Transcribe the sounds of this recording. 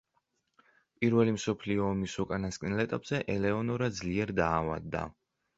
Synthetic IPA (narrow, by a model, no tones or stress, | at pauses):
pʼiɾvɛlimsɔpʰliɔːmisɔkʼanaskʼnɛlɛt̪ʼapʼz̥ɛʔɛlɛɔnɔɾad̪d̪zliɛɾd̪aːva̰d̪ːa̰